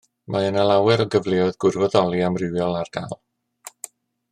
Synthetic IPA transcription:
mʔaənəlˠawɛɾɔɡəvlˠeɔɨðɡʊrvɔdɔlˠiamrɪwjɔlˠarɡ̥a̰lˠ

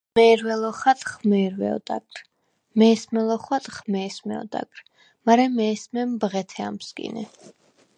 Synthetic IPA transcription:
mɛːɾwɛlˠɔχat̪ʼχmɛːɾwɛ̰ɔ̰d̪ʼa̰kɾ | mɛːsmɛlˠɔχwat̪ʼχmɛːsmɛɔ̰d̪a̰ɡʼɾ | maɾɛmɛːsmɛmbʁɛt̪ʰɛamsɡʼḭnɛ̰

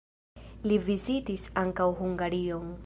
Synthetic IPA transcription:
livizitisaŋkawɦuŋɡaɾioŋ

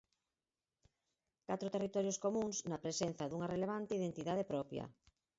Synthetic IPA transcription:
kat̪ɾʊt̪erit̪ɔɾjoskomũŋsnɐpɾesen̟θɐðuŋɐreleβ̞ant̪eiðent̪iðað̞epɾɔpjɐ̰

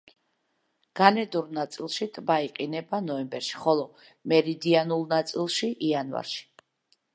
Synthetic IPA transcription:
ɡ̥anɛd̪uɾnat̪sʼilˠʃit̪ʼbaiqʼinɛbanɔɛmbɛɾʃi̥χɔlˠɔ | mɛɾid̪ianulˠnat̪sʼilˠʃiʔianva̰ɾʃi̥

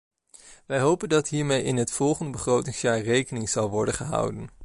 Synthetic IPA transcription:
ʋɛjɦowpəndɑtɦiːɹmejɪnɦətfɔlˠχəndəbəχrowtɪŋsjaːɹrejkənɪŋz̥ɑlˠʋɔɹdənχəɦʌ̰wdən

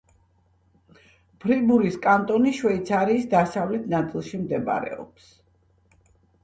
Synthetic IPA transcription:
b̥ɾibuɾiskʼant̪ʼɔniʃwɛit̪sʰaɾiːsd̪asavlɛt̪ʰnat̪sʼilˠʃimd̪ɛba̰ɾɛ̰ɔ̰ps

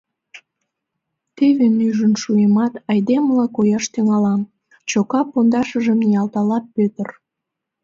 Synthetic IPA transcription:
t̪eβemyʒənʃujəmɑt̪ɑjd̪eməlɑkojɑʃt̪yŋɑlɑm | t͡ɕokɑpːond̪ɑʃəʒəmnijɑlt̪ɑlɑp̚pøt̪ər

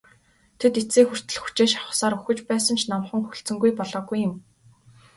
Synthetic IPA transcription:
t̪ʰet̪et͡seːxur̥t̪ɘ̆ɮxu̥t͡ɕeːʃḁχə̥̆saːɾɵxɘ̆t͡ɕpæːsə̆nt͡ɕʰnamχə̆ŋxɵɬt͡sɘ̆ŋɡujpɔɮɔːɡujːɪ̆m

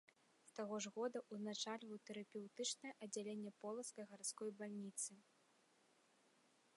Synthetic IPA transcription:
st̪aɣɔʐɣɔd̪ɐʔuznat͡ʂalʲvɐwt̪ɛɾɐpʲɛwt̪ɨt͡ʂnɐjɛʔɐd͡zʲalʲenʲːɛpɔlˠɐskɐjɣart̪skɔjbalʲnʲit̪sɨ

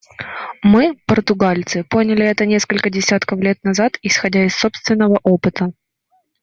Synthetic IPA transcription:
mɨpərt̪ʊɡalʲt̪sɨpo̞nʲɪlʲɪɛt̪ənʲeskəlʲkədʲɪsʲat̪kəflʲet̪nɐzat̪ɪsxɐdʲaɪsːo̞pst̪vʲɪnːəvəʔo̞pɨt̪ə

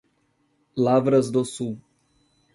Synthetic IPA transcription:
lavɾɐzd̪osu

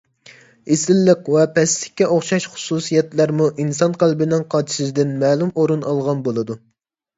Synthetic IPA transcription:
esɪlːəqwɛpʰɛslɪ̥kʲːɛʔoχʃɑʃχʊ̥susijɛt̪læɾmuʔinsɑnqʰælbɪnɪŋqʰɑt͡ʃʰi̥ʃɨzd̪ɪnmɛːlˠumoɾunɑlˠʁɑnbolˠɨd̪u

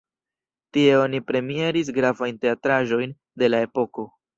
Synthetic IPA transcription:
tie̞o̞nipɾe̞mie̞ɾis̬ɡɾavajnte̞atɾaʒo̞jn | de̞lae̞po̞ko̞

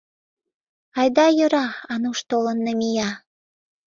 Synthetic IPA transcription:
ɑjd̪ɑjə̆ɾɑɑnuʃt̪olənːemijɑ

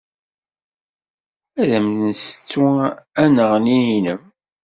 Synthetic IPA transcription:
æðæmðnsət͡sːuænəʁnininəm

